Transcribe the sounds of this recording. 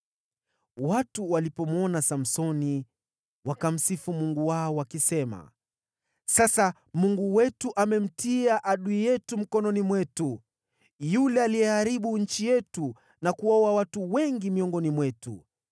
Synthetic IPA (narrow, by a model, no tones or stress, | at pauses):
watuwalipɔmɔnasam̩sɔni | wakam̩sifumuŋɡuwaɔwakisɛma̰ | sasa | muŋɡuwɛtuʔamɛm̩tiaʔaɗuijɛtum̩kɔnɔnimwɛtu | julɛalijɛhaɾiɓuɲ̩t͡ʃijɛtu | nakuwaɔwawatuwɛŋɡimiɔŋɡɔnimwɛtṵ